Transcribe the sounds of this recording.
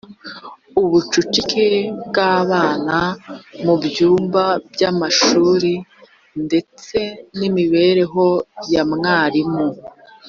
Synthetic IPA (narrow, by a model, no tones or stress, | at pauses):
uβut͡ʃut͡ʃikʰe̞bɡaːβaːnamubjuːmbabɟamaʃuːɾi | nde̞t͡se̞nimiβe̞ːɾe̞ɦo̞jamŋaːɾimo